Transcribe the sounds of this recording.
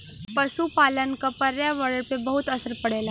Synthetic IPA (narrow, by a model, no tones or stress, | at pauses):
pəsupalənkapɐɾjaʋəɽəɽpebəɦut̪əsəɾpɐɽeːla